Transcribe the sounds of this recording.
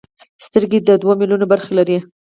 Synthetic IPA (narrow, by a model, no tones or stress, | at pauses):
st̪əɾɡed̪əd̪wamiljunobaɾxelaɾi